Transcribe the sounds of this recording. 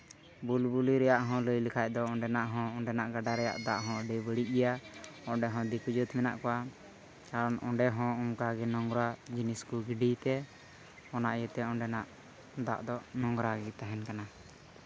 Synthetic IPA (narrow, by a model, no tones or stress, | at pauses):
bulbuliɾɛjaʔɦɔ̃ləjlikʰac̚d̪ɔɔɳɖɛnaʔɦɔ̃ɔɳɖɛnaʔɡaɖaɾɛja̰ʔd̪aʔɦɔ̃ɖɛbəɽiʔ̚ɡɛjaɔɖɛɦɔ̃d̪ikud͡ʒət̪mɛna̰ʔkɔwa | kaɾɔnɔ̰ɖɛɦɔ̃umkaɡɛnɔŋɡɾad͡ʒiniskuɡiɖijt̪ɛ | ɔnaʔjət̪ɛɔ̃ɳɖɛnaʔ | d̪a̰ʔd̪ɔnɔŋɡɾaɡɛt̪aɦɛnkana